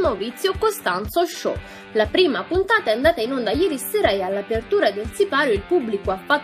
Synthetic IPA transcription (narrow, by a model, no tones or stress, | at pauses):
novit̪sːjokost̪ant̪soʃɔ̰ | lapɾiːmapunt̪aːt̪aɛand̪aːt̪ainond̪ajɛːɾisɛːɾaealːapert̪uːɾad̪elsipaːɾjoilpubːlikoafːat̪ː